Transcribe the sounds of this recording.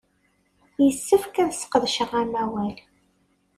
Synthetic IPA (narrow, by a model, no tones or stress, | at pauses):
jəsːəfkæðsqəðˤʃəʁæmæwæl